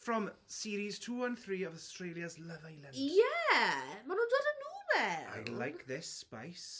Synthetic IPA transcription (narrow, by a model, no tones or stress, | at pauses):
frɔmsiːɾiz̥tʰuːənθriːɔvɔstrejlˠjazləvajlɛjɛ | manuːndwɛdənuːvɛa̰jlajkʰðɪspa̰js